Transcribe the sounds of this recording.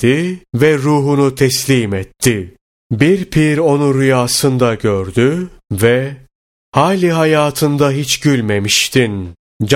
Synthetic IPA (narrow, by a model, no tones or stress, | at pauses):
ivɛɾuːɦunut̪ʰɛslʲiːmɛt̪ʰːɪ | biɾpʰiɾo̞nuɾɯjaːsɯnd̪aɟøɾd̪yvɛ | haːlʲiɦajaːt̪ʰɯnd̪aɦit͡ʃɟylʲmemiʃt̪ʰin | d͡ʒ